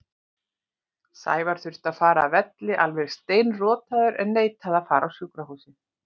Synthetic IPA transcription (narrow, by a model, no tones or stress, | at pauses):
sa̰ːjvaɾ̥θʏr̥t̪aðfaːɾavɛt̪lɪʔalvɛɾ̥st̪eːjnrɔːt̪aðʏɾʔɛnːeːjt̪ʰaðafaːɾawsʏkɾaɦuːsɪ